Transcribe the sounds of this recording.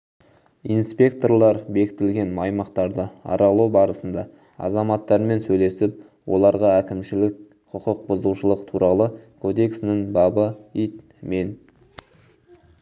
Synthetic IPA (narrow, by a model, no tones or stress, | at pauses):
inspʲe̞k̚t̪o̞rlˠɑɾbe̞kʲɪ̥t̪ɪlɡʲe̞nmɑjmɑqt̪ɑɾd̪əɑ̰ɾɑlˠubɑɾəsənd̪ɑ | ɑ̰zɑmɑt̪ːɑɾme̞nsɵjle̞sɪp̚ | wʔo̞̰lˠɑɾʁɑækʲɪmʃɪlɪk̚ | qʰʊqəq̚bʊzuʃəlˠəqt̪ʰuɾʔɑlˠəkʰo̞d̪e̞ksɪnɪŋbɑbəit̪ | me̞n